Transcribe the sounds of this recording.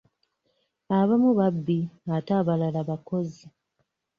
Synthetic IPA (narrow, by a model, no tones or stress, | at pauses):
aβamuβabːiataβalalaβako̞zi